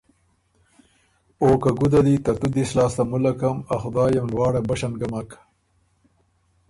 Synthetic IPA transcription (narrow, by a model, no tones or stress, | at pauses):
oːkaɡud̪ad̪it̪at̪ud̪islɑːst̪amulakɐmaxʊd̪ɑːjamlwɑːɽabaʃanɡamak